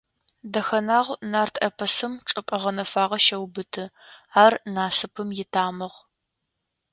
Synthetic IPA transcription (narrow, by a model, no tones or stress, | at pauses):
dɐxɐnaːʁʷnaːrtʰɐpʰɐsɨmʈ͡ʂʼɨpʼɐʁɐnɐfaːʁɐʃɐwbɨtʰɨaːrnaːsɨpʰɨmjɪtʰaːmɨʁ